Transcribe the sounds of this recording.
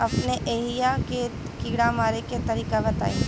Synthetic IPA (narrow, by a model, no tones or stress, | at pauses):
ɐpneʔeːɦijake | kiːɽamaːɾeket̪ɐɾiːkabɐt̪a̰ːĩː